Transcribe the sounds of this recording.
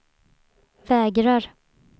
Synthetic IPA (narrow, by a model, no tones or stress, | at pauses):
vɛːɡɾaɾ